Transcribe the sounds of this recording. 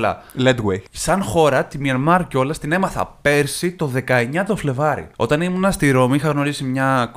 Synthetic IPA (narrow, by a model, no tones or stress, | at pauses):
lɐ̰led̪ɣwejsɐnxo̞ɾɐt̪imiɐnmɐɾco̞lɐst̪ine̞mɐθɐ̰pe̞ɾsit̪o̞ðe̞kɐe̞ɲɐt̪o̞fle̞vɐɾḭo̞t̪ɐnimunɐst̪iɾo̞mixɐɣno̞ɾisimɲɐ